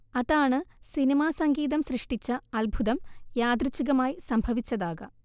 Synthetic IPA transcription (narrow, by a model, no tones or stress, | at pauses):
ɐðaːɳɨsinimaːsɐŋɡiːðɐmsrɨʂʈit͡ɕːɐɐlbʱuðɐmjaːd̪rit͡ɕːiɣɐmaːjisɐmbʱɐʋit͡ɕːɐðaːɣɐ̰